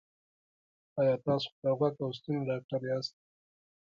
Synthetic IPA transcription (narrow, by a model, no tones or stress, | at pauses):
ɑjɑt̪ɑːso̥d̪əɣwakaws̬t̪uneɖɑk̚ʈaɾeɑst̪̚